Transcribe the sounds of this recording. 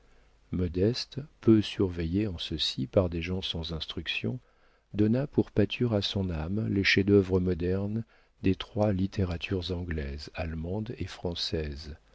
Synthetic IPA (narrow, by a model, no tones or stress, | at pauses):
mɔd̪ɛst̪pøsyʁvejeɑ̃səsipaʁd̪eʒɑ̃sɑ̃zɛ̃st̪χyksjɔ̰̃ | d̪ɔnapuʁpat̪ʰyʁasɔ̃namleʃed̪œvʁəmɔd̪ɛʁn | d̪et̪χwalit̪ʰeʁat̪ʰyʁzɑ̃ɡlɛzalmɑ̃d̪efχɑ̃sɛz